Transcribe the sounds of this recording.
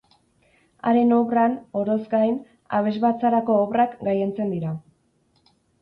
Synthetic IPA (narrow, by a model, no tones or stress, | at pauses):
a̰ɾe̞no̞βrano̞ɾo̞zɡajn | a̰β̞e̞zβat͡saɾako̞ːβrakɡajent͡se̞nd̪iɾa